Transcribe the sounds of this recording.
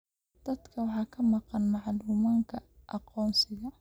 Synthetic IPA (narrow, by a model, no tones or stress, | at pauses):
d̪̥ɐd̪kʰɐwɑħɑːkʰɐmɑqɑnmɑʕluːmɐŋkʰɐʔɑqɔːnsɪɣɐ